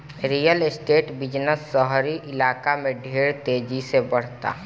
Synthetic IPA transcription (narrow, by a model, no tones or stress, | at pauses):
ɾijəlɪsʈeːʈbɪd͡ʒnəsːəɦɾiʔɪlaːkamẽɖʱeːɾt̪eːd͡ʒisebəɽ̤t̪a̰